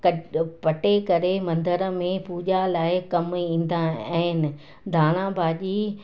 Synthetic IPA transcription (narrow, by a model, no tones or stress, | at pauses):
kɐpɐʈekɐɾemɐ̃nd̪əɾə̆mẽpuːʄalaːɪkɐmĩːn̆d̪aɛ̃ːɪnɪ̆ | d̪ʱaːɽ̃ãːbʱaːʄiː